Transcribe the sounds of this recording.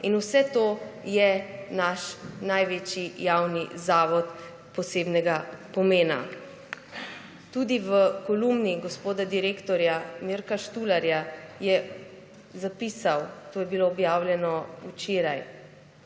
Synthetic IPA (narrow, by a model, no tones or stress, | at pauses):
inusɛt̪oːjɛnaʃnajʋeːt͡ʃijawnizaːʋɔt̪ | pɔseːbnɛɡapɔmeːna̰ | t̪ud̪iʋəkɔlumniɡɔspoːd̪ad̪iɾeːkt̪ɔɾjamiɾkaʃt̪uːlaɾjajɛ | zapiːsawt̪oːjɛbiloːbjaːwlʲjɛnɔut͡ʃeːɾaj